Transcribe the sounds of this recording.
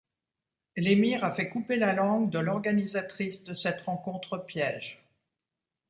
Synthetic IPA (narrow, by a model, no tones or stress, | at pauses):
lemiʁafɛkupelalɑ̃ɡd̪əlɔʁɡanizat̪χisd̪əsɛt̪ʁɑ̃kɔ̃t̪χəpjɛːʒ